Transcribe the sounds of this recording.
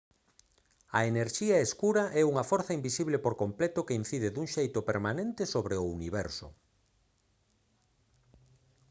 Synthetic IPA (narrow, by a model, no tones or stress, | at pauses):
ɐeneɾʃiɐeskuɾɐʔɛuŋɐfɔɾθɐimbisiβlepoɾkomplɛt̪okein̟θiðeðuŋʃejt̪ʊpeɾmanẽnt̪esoβɾeʊuniβɛɾsʊ̰